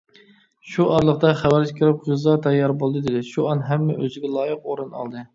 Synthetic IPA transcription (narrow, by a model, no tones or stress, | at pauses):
ʃuʔɑɾlˠəqt̪ɑχæwæɾd͡ʒʰɪkʲʰiɾɪp̚ʁɨzɑt̪ʰɛjɑɾbolˠd̪ɨd̪ɪd̪ɪʃuɑnɦɛmːɛʔøzɪɡʲɛlˠɑːjəqoɾɨnɑ̰lˠd̪ɨ